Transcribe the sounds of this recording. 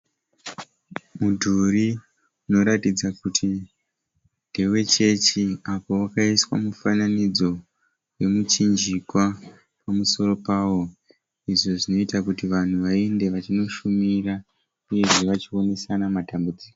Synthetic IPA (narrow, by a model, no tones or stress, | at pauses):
mudʱuɾi | uno̞ɾatid͡zakutʰi | ndewe̞t͡ʃe̞t͡ʃiapo̞wakaiswa̰mufananid͡zo̞ | we̞mut͡ʃind͡ʒikwa | pamuso̞ɾo̞paːwo̞ | iʐo̞ʐino̞itakutiʋan̤uʋae̞nde̞ʋat͡ʃino̞ʃumira | uje̞ʐe̞ʋat͡ʃio̞ne̞sanamatambud͡ziːko